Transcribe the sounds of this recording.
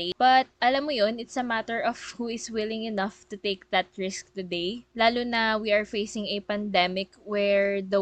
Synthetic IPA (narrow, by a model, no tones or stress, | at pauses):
b̥ɐt̪̚ʔɐlɐmːojonɪt̪sɐmat̪ɛɹɔfhuɪswɪlɪ̃ŋɪnɐft̪ʊt̪eɪk̚d̪ɐt̪̚ɹɪsk̚t̪ʊd̪ejlaːlonɐwiɐɹfejsɪ̃ŋɐpɐnd̪ɛmɪkwɛɹd̪ɐ